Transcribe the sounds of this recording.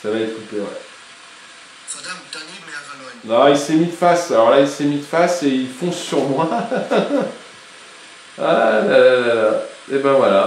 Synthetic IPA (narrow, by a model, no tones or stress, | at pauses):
savaekut̪ewɛ̰ | nɔ̃ilsɛmid̪fasalɔʁlailsɛmid̪faseilfɔ̃sːyʁmwa | a̰dalalalaebɛ̃vwala